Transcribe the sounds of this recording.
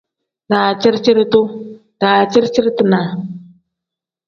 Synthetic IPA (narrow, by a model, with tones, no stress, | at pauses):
daː˨t͡ʃɪ˦ɾt͡ʃɪ˦ɾtʊ˦ | d̥aː˨t͡ʃɪ˦ɾt͡ʃɪ˦ɾt̪ɨ˨na˨